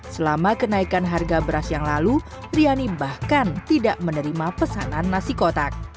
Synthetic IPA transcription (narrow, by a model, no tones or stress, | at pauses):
səlamakənaikanɦarɡabəɾasjaŋlalu | rianibahkant̪idaʔmənəɾimapəsa̰nanːasikot̪ak̚